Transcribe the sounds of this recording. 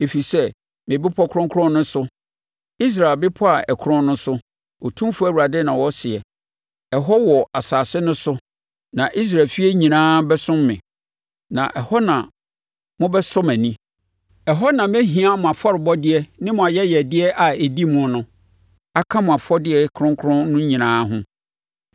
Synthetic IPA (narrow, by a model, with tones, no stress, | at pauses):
e˨fi˨sɛ˦ | mɪ̃˨bɪ˦pʰɔ˦kʰʊ˦ɔ̃˦ŋkʰɾɔ̃˦nːʊ̃˦sʊ˦ | i˦s̬ɾa˨lbɪ˦pʰɔ˦a˨ɛ˨kʰɾɔ̃˦nnʊ̃˦sʊ˦ | wɔ˨tʰũ˦m˦fæ˨wu˨ɾa˨dɪ˦nã˨wɔ˦sɪ˨ɛ˨ | ɛ˨ɦɔ˦wɔ˨a˨saː˨sɪ˦nʊ̃˦sʊ˦ | nã˨ʔi˦s̬ɾa˨lfi˦ɛ˦ɲĩ˨nãː˦bɛ˦sʊ̃˦mːɪ̰̃˨ | nã̰˨ʔɛ˨hɔ˦nã˨ | mʊ̃˦bɛ˦sʊ̃˦mæ̃˨nĩ˦ | ɛ˨ɦɔ˦nã˨mɛ˦ɦĩ˨a˦mʊ̃˨a˨fɔ˦ɾɪ˨bɔ˦dɪ˦ɛ˦nɪ̃˦mʊ̃˨a˨jɛ˦jɛ˨dɪ˦ɛ˦ʔa˨e˨di˦mũ˦ɔ˨nʊ̃˦ | a˨kʰã˦mʊ̃˨a˨fɔ˦dɪ˦ɛ˨kʰɾʊ̃˦ŋ˦kʰʊ˦ɾʊ̃˦nʊ̃˦ɲĩ˨nãː˦ɦʊ̃˦